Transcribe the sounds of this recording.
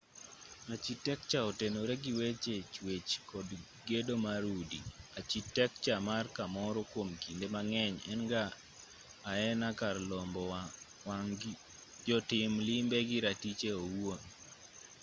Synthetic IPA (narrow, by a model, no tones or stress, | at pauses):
at͡ʃitɛk̚t͡ʃaɔtenoɾeɡiwet͡ʃet͡ʃwet͡ʃkɔd | ɡedomaɾudḭat͡ʃitɛk̚t͡ʃamarkamɔɾɔkwomkindemaŋɛɲɛnɡaː | ɛnakarlɔmbɔ | waŋ | d͡ʒɔtɪmlɪmbeɡɪɾatit͡ʃeowwon